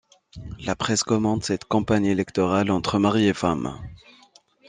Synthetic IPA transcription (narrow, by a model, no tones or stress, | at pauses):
lapχɛskɔmɑ̃d̪sɛt̪kɑ̃paɲelɛkt̪ɔʁalɑ̃t̪χəmaʁiefam